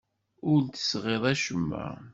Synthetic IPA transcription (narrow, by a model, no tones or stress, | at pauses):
ʊɾlt̪ə̥sʁeðˤæʃəmːæ̰